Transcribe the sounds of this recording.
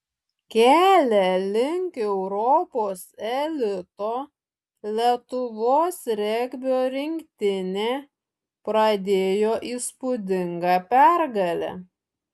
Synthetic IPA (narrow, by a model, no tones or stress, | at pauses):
kʲæːlʲɛlʲɪŋʲkʲɛʊɾɔpoːsɛlʲɪt̪oː | lʲit̪ʊʋoːsɾʲɛɡʲbʲoːɾʲɪŋʲkt̪ʲɪnʲeː | pɾɐd̪ʲeːjoːʔiːspʊd̪ʲɪŋɡɑpʲæɾɡɐlʲɛ̰